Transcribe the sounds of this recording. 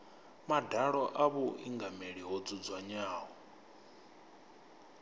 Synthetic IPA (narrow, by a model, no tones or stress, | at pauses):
madaɺɔʔaβuʔiŋɡameɺiɦɔd͡zud͡zwaɲaːɦɔ